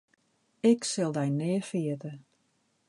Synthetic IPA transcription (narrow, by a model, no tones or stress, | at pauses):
ɪksɪlˠdɛjnɪəfiətə